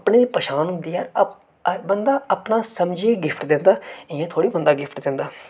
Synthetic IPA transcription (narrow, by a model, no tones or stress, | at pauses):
əpɳeːd̪iːpəʃaːnɦʊ̃nd̪iːaːɾ | bənd̪aːəpnaːsəmd͡ʒiːɡɪpʰʈd̪ẽnd̪aːɪjãːt̪ʰoːɽiːbənd̪aːɡɪpʰʈd̪ẽːnd̪aː